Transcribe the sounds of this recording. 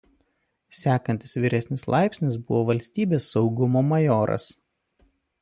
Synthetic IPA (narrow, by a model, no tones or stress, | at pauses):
sʲæːkɐnʲt̪ʲɪ̥sʋʲiːɾʲɛsʲnʲɪslˠʔɑˑɪpʲsʲnʲɪs̬bʊʋoːʋɐlʲsʲt̪ʲiːbʲeːsːɒʊɡʊmoːmɐjoːɾɐ̰s